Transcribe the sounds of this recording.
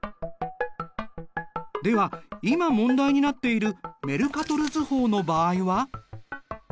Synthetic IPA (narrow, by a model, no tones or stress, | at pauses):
d̪e̞βaimamõ̞nd̪aiɲ̟inat̪ːe̞iɾɯ̟me̞ɾɯ̟kat̪o̞ɾɯ̟zɨho̞ːno̞baːiβa